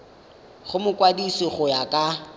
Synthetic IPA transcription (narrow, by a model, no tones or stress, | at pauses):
χʊmʊkʼwadisɪχʊjakʼa